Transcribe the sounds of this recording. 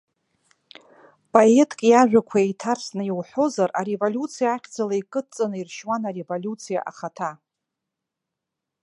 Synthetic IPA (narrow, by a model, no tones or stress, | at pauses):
pʼoetʰʼkʼjaʒᶣakʷʰaetʰarsnɨjiwħo̞zaraɾevolʲjut͡sʰijaːχʲd͡zalaikʼɨt͡sʼanɨirʃwanaɾe̞volʲut͡sʰija̰ʔa̰χatʰa